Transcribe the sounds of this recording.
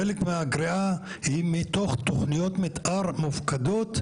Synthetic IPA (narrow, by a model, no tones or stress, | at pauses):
elekmeaɡʁia | himit̪oχt̪oχnijot̪mit̪ʔaʁmufkad̪ot̪